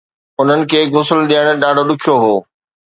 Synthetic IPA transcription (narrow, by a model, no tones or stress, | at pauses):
ʊn̤ənɪ̆kʰeːɡʊsəlɗiəɽ̃̆ɗaːɖʱoɗʊkʰijoɦoː